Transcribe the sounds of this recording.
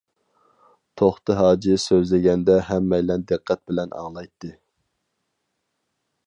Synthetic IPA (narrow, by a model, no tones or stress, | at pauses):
t̪ʰoχt̪ɨɦɑːd͡ʒisøzlɪɡʲɛnd̪ɛɦɛmːɛjlɛnd̪ɨqʰːɛt̪̚bɪlɛnʔɑ̰ŋlˠɑjt̪ʰːɨ